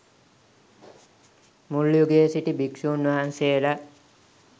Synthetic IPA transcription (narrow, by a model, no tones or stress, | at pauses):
mulːjuɡeːsiʈibiksuːnʋaɦanseːlə